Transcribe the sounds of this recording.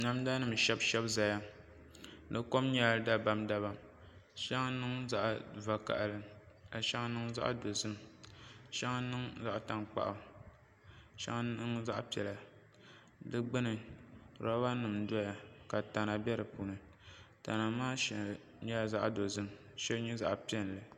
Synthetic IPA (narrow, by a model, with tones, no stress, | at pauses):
na˨mda˦nɨ˦˨m˨ʃɛ˦bʃɛ˦bza˨ja˦ | nɨ˦ko˦mɲɛ˦˨da˦ba˦mda˦βa˨ | ʃa˦ŋ˦nɨ˦ŋza˦ʔva˨ka̰˨ʔlɨ˦ka˨ʃa˦ŋ˦nɨ˦ŋza̰˦ʔdo˨zɨ˦m | ʃa˦ŋ˦nɨ˦ŋza˦ʔta˨ŋk͡pa̰˨ʔa˨ | ʃa̰˦ŋ˦nɨ˦ŋza˦ʔpi˨ɛ˨la˨ | dɨ˦ɡ͡bɨ˦nɨ˨ɾɔ˦ba˦nɨ˨mdɔ˦ja˨ka˨ta˨na˨bɛ˦ɾɨ˨puː˨nɨ˨ | ta̰˨na˨maː˦ʃ | ɲɛ˦˨za˦ʔdo˨zɨ˦m | ʃɛ˦lɲɛ˦za̰˦ʔpi˦ɛ˦n˨lɨ˨